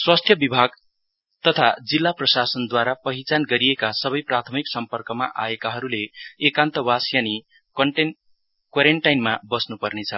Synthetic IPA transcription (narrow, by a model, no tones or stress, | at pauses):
swast̪ʰjʌbibʱaɡ | t̪ʌt̪ʰad͡zilːaprʌsasʌnd̪waɾapʌɦit͡sanɡʌɾiekasʌbʌjprat̪ʰʌmiksʌmpʌrkʌma̰ʔa̰ekaɦʌɾuleːkant̪ʌwasjani | ʌ | kwaɾeɳʈajnmabʌsnupʌrnet͡sʰʌ